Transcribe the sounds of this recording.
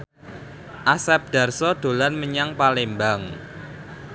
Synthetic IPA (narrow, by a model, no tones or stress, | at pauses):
ʔasɛp̚d̪̥a̤rsɔd̪̥o̤lanməɲaŋpalembaŋ